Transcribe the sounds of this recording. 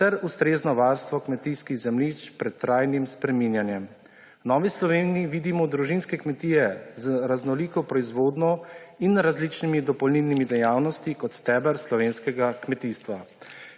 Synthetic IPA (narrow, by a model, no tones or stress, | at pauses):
t̪ɛɾust̪ɾeːznɔʋaːɾst̪ʋɔkmɛt̪iːskiɣzɛmlit͡ʃpɾɛt̪ːɾaːjnimspɾɛmiːnjanjɛm | nɔːʋislɔʋeːnijiʋiːd̪imɔd̪ɾuʒinskɛkmɛt̪iːjɛzɾaznɔliːkɔpɾɔizʋoːd̪nɔinɾazliːt͡ʃnimid̪ɔpɔwnilnimid̪ɛjaːwnɔst̪ikɔt̪st̪ɛːbəɾslɔʋeːnskɛɡakmɛt̪iːst̪ʋa